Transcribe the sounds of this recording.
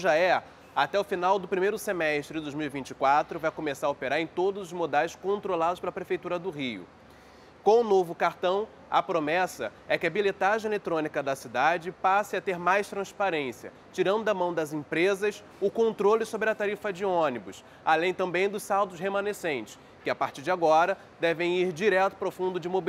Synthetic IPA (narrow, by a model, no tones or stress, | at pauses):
ʒaɛ | at̪ɛʊfinawd̪ʊpɾimejɾʊsemɛʃt̪ɾɪd̪ojzmiwivĩnt͡ʃɪ̥kwat̪ɾʊvajkomesaɾopeɾaɾẽj̃t̪od̪ʊzʊzmod̪aɪskõnt̪ɾolad̪ʊspelɐpɾefejt̪uɾɐd̪ʊɦijʊ̰ | kõw̃ʊnovʊkaɾt̪ɐ̃w̃ | ɐpɾomɛsɐɛkɪɐbilet̪aʒẽelet̪ɾõnikɐd̪ɐsid̪ad͡ʒɪpasɪɐt̪eɾmajst̪ɾɐ̃spaɾẽsiɐ̰ | t͡ʃiɾɐ̃nd̪ʊd̪ɐmɐ̃w̃d̪ɐzĩpɾezɐs | ʊkõnt̪ɾolɪsobɾɪɐt̪aɾifɐd͡ʒɪõnibʊs | alẽj̃t̪ɐ̃mbẽj̃d̪ʊsawd̪ʊsɦemɐ̃nesẽnt͡ʃɪ̥s | kɪapaɾt͡ʃiɾd͡ʒɪaɡɔɾɐ | d̪ɛvẽj̃iɾd͡ʒiɾɛt̪ʊ̥pɾɐwfũnd̪ʊd͡ʒɪmob